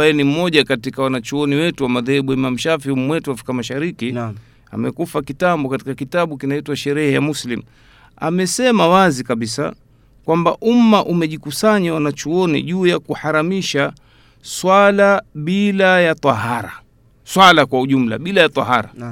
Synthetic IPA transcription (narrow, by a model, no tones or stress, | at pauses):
ajɛnim̩mɔʄakatikawanat͡ʃuɔniwɛtuwamaðɛhɛɓuɛmam̩ʃafihum̩mwɛtuwafɾikamaʃaɾiki | a̰mɛkufakitambɔkati̥kakitaɓukinaitwaʃɛɾɛhɛjamuslim̩ | a̰mɛsɛmawazikaɓisa̰ | kwamba̰ʔum̩mːaʔumɛʄikusaɲawanat͡ʃuɔnḭʄuːjakuhaɾamiʃa | swalaɓilajat̪ˤɑɦaɾa̰ | swalakwauʄum̩la̰ɓilajat̪ˤɑ̰haɾa̰